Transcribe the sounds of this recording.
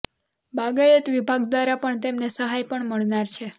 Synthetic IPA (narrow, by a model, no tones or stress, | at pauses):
bʱaɡajət̪ʋibʱaɡd̪ʋaɾapəɳt̪emnesəɦajpəɳməɭnaɾt͡ʃʰe